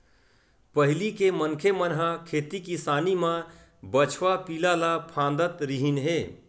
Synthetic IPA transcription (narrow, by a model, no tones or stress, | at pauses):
pəɦɪlikemənkʰemənɦãkʰeːt̪ikisanimã | bət͡ʃʰʋapilalapʰãnd̪ət̪ɾiɦinɦe